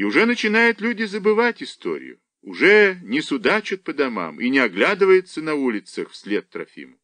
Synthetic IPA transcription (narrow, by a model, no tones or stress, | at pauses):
iʊʐɛnət͡ɕɪnajʊt̪lʲudʲɪzəbɨvatʲɪst̪o̰ɾʲɪ̰jʊ̰ | ʊʐɛnʲɪsʊd̪at͡ɕʊt̪̚pəd̪ɐma̰mḭnʲɪɐɡlʲad̪ɨvəjɪt̪sənɐulʲɪt̪səxfsʲlʲet̪ːɾɐ̰fʲḭmə